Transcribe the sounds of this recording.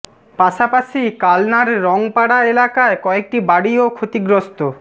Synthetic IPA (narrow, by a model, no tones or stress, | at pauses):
paʃapaʃikalnaɾːɔŋpaɽaelakaekɔek̚ʈibaɽiokʰot̪iɡɾost̪o